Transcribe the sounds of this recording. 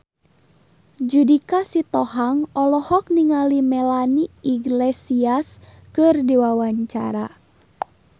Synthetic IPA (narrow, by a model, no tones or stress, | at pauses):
d͡ʒudikasit̪ɔɦaŋɔlɔhɔk̚niŋalimɛlaniːɡlesias | kɨrdiwawaɲt͡ʃa̰ɾa